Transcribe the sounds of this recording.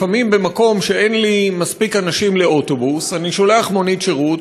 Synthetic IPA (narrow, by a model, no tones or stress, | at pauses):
famimbemako̞mʃe̞enlimaspikanaʃimle̞o̞to̞busaniʃoleaaχmo̞nitʃeʁut